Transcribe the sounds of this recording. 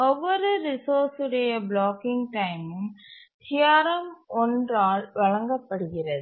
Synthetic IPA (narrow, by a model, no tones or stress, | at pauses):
ɔʋːɔɾɯɾɪsoːɾsɯɽɐjɐbɭoːkɪŋɡʈɐɪmɯmt̪ʰɪjaːɾɐmɔndraːlʋɐɭɐŋɡɐpːɐɽɯɣɪrɐðɯ